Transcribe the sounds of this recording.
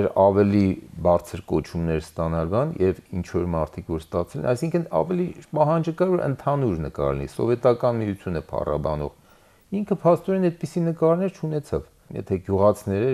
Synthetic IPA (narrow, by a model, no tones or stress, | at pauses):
ɛɾɑvɛlibɑɾt͡sʰəɾkɔt͡ʃʰumnɛɾst̪ɑnɑlbɑnjɛvint͡ʃʰvɔɾmɑɾt̪ʰikʰvɔɾst̪ɑt͡sʰɛlɛ̰nɑjsiŋkʰənɑ̰vɛlipɑɦɑnd͡ʒəkɑɾvɔɾə̰nt̪ʰɑnuɾnəkɑ̰ɾnḭsɔ̰vɛt̪ɑkɑnmijut͡sʰjunɛpʰɑ̰rɑ̰bɑ̰nɔ̰ʁ | iŋkʰəpʰɑst̪ɔɾɛnɛt̪̚pisinəkɑɾnɛɾt͡ʃʰunɛt͡sʰɑv | jɛ̰t̪ʰɛɡjuʁɑt͡sʰinɛɾə